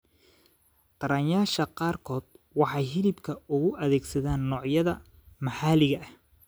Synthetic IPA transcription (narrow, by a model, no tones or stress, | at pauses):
q̪ɐɾɐnjaːʃɐqɑːrkʰɔːd̪̥ | wɑħɑjɦɪlɪbkʰɐʊɣʊʔɐðɛːɡsɐðaːnːɔːʕjɐðɐ | mɑħɑːlɪɣɐʔɐh